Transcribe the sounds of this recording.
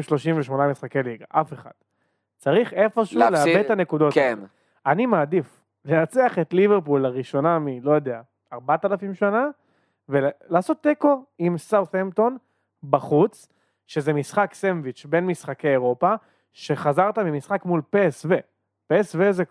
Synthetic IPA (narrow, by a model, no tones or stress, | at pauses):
mʃlo̞ʃimveʃmo̞namisχake̞liɡaʔafe̞χa̰d̪̥ | t͡saʁiχe̞fo̞ʃuleabeane̞kud̪ote | animaːd̪if | lenat͡seaχe̞t̪liveʁp̬ulaʁiʃo̞namilo̞jo̞d̪e̞a | aʁbat̪alafimʃana | velaːso̞t̪ːeko̞imsawθemt̪o̞n | baχut͡s | ʃe̞zemisχaksenvit͡ʃbe̞nmisχake̞jeʁo̞pa | ʃe̞χazaʁt̪amimisχakmulpesve | pesveze